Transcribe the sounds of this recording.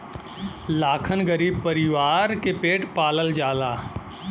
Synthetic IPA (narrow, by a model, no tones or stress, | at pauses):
laːkʰənɡəɾiːb̚pɐɾɪʋaːɾkepeːʈpaːləld͡ʒaːlaː